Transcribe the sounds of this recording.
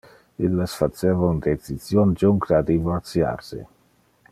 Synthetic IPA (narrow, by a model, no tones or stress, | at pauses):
ilːesfat͡seːvaund̪et͡sizjond͡ʒuŋkd̪ad̪ivoɾt̪sja̰ɾsḭ